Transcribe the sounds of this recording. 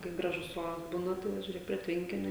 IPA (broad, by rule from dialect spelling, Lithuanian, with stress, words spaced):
kɐɪ ˈɡrɑːʒʊs ˈoːrɐs ˈbuːnɐ ˈtɐɪ jɛʊ ʒʲuːˈrʲeːk pʲrʲiɛ ˈtʲʋʲɛŋʲkʲɪnʲʊ